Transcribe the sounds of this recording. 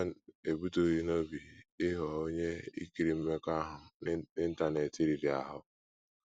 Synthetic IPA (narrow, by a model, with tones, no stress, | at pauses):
n˦e˨bu˦to˦ɣi˦no˦bi˨ɪ˦ɦɔ˨o˦ɲe˦ḭ˦ki˨ɾi˨m̩˦me˦ka˦ɦʊ˨ɪ˦n̩˦ta˦˨ne˨ti˦ɾi˨ɾi˨a̰˨ɦʊ˦